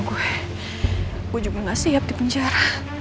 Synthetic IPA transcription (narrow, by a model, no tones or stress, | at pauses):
ɡue | kud͡ʒuiŋasiɦap̚d̪ipəɲd͡ʒaɾa